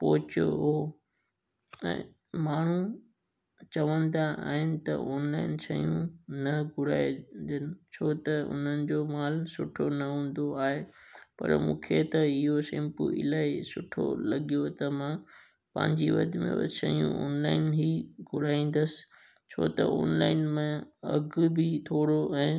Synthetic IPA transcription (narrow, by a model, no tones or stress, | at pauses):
pɔɦɪt͡ɕjoɦoː | ɛ̰̃ː | maːɳ̤ũ | t͡ɕɐʋə̃nd̪aa̰ːɦɪnɪ̆t̪ɐ̰ʔoːnlaːɪnsɐijũnɐɡʱʊɾaːed̪ənɪ̆t͡ɕʰoːt̪ɐʊ̰n̤ənɪ̆d͡ʑoːmaːlsʊʈʰonɐɦũːn̆d̪oaːɦepɐ̰ɾmũːkʰet̪ɐɪɦosɪ̃mpʊ̰ɪ̰laːesʊʈʰo̰lɐɠijot̪ɐmã | pɐ̰̃ɦɪ̃ɲd͡ʑiʋɐ̰d̪ʱmḛ̃sɐijũɔ̰ːnlaːɪnɦiɡʱʊɾaːĩːn̆d̪əsɪ̥ | t͡ɕʰo̰ːt̪ɐ̰ɔ̰ːnlaːɪnmẽɐɡbɪt̪ʰoːɽoɛ̃ː